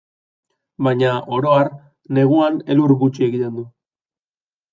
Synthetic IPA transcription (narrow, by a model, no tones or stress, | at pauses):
bajɲaʔo̞ɾoaɾ | ne̞ɣuane̞luɾɣut͡ʃiekʎand̪u